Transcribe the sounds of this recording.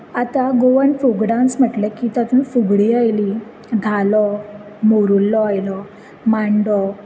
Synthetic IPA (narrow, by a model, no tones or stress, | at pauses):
at̪aɡoʋənfuɡɽãnt͡sm̤əʈlekiːt̪at̪ũnfuɡɽiajli | d̪ʱalɔ | moɾulːɔajlɔ | maɳɖɔ